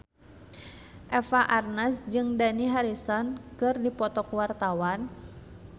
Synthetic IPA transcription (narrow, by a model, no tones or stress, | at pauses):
ʔɛfaʔarnasd͡ʒɨŋdaniɦaɾisɔnkɨrdipɔt̪ɔkwart̪awan